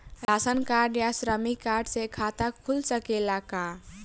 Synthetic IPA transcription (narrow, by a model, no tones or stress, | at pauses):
ɾasənkaɖjasɾəmikaɾɖsekʰat̪akʰulsəkelaka